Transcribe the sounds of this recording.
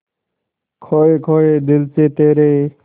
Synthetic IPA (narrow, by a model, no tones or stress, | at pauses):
kʰoːeːkʰoːeːd̪ɪlseːt̪eːɾeː